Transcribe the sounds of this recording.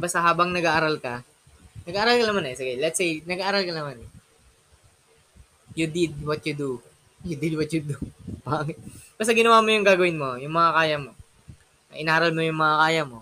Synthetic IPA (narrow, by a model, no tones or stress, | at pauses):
bɐst̪ɐɦaːbɐŋnɐɡaʔɐɾalkɐ | nɐɡaʔːɾalkɐnɐmanɛsɪɡɐlɛt̪sejnɐɡaʔːɾalkɐnɐmanɛ | jʊd̪ɪd̪̚wɐt̪jʊd̪u | jʊd̪ɪd̪wɐt̪̚jʊd̪ʊbaːŋɪt̪̚b̥ɐst̪ɐɡɪnɐwaːmojʊŋɡaːɡɐwɪnmo̞jʊŋmɐŋɐkaːjɐmo̞ | ɐ̰ʔɪnaːɾɐlmojʊŋmɐŋɐkaːjɐmo̞